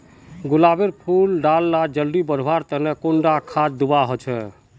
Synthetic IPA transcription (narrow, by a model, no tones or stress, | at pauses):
ɡulabeɾpʰulɖalːad͡ʒəlɖibəɾʱʋaɾt̪ənekoɳɖakʰad͡ʒd̪ubaɦot͡ʃʰɛ